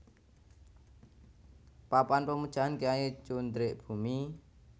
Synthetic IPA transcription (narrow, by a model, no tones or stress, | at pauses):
papanpəmud̥ʒ̥a̤ɦankiaet͡ʃund̪ɾeʔb̥ṳmi